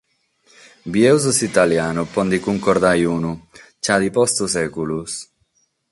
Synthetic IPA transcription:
bjɛwzusit̪aljaːnupɔnd̪ikuŋkɔɾd̪ajunut͡ʃad̪ipɔst̪usɛkulus

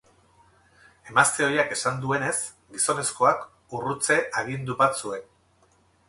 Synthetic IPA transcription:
e̞mast̪e̞o̞jake̞sand̪ue̞ne̞s | ɡiso̞ne̞sko̞ak | urut͡se̞ʔaɣ̞ind̪uβasue̞n

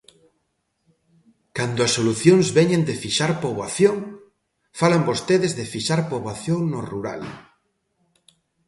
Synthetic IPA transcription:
kand̪ʊɐsːoluθjoŋzβɛɲẽnd̪ɪfiʃaɾpoβaθjoŋ | falambost̪eðɪzðɪfiʃaɾpoβaθjoŋnʊruɾa̰l

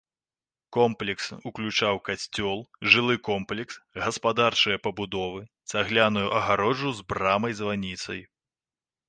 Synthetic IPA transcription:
kɔmplʲɛksuklʲut͡ʂawkasʲt͡sʲɔlˠʐɨlˠɨkɔmplʲɛksɣɐspad̪art͡ʂɨjɐpɐbud̪ɔvɨ | saɣlʲanujuʔɐɣaɾɔd͡ʐuzbɾamɐjzvanʲit̪sɐ̰j

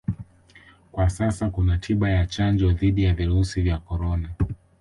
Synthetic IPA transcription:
kwasasakunatʰiɓajat͡ʃand͡ʒɔðiɗijaviɾusivjakɔɾɔna

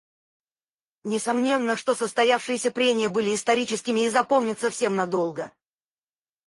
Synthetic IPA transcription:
nʲɪsɐmnʲe̞nːəʂt̪o̞səst̪ɐjafʂɨjɪsʲəpɾʲemʲɪjəbɨlʲɪːst̪ɐɾʲit͡ɕɪskʲɪmʲɪːzɐpo̞mnʲɪt̪səfsʲe̞mnɐd̪o̞lˠɡə

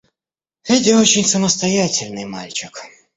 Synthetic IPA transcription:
ɛtʲɪot͡ɕɪnʲsəməst̪ɐjatʲɪlʲnɨjma̰lʲt͡ɕɪk

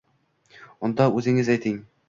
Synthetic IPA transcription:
ond̪ɑʉzɪ̆ŋɪzæjt̪ʰɪŋ

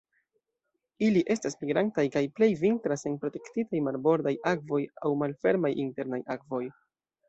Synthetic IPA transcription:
iliʔe̞stasmiɡɾantajkajple̞jvintɾase̞npɾo̞te̞ktitajmalbo̞ɾdajakvo̞jawmalfe̞ɾmajʔinte̞ɾnajakvo̞j

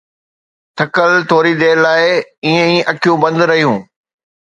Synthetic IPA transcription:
t̪ʰɐkəlt̪ʰoːɾid̪eːɾlaːɪiːə̃ĩʔɐkʰijũbɐ̃nd̪ɾɐɦijũː

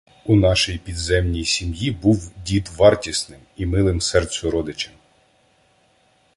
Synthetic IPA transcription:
unɑʃɔjpʲid̪zɛmnʲijsʲimjibuwdʲit̪ʋɑrtʲisnɪmimɪlˠɪmsɛrt̪sʊɾɔd̪ɪt͡ʃɐm

